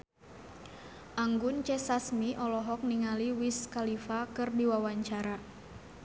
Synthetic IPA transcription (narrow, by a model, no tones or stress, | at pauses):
ʔaŋɡʊnt͡ʃɛsasmiʔɔlɔɦɔk̚niŋaliwiskalifakɨrdiwawaɲt͡ʃaɾa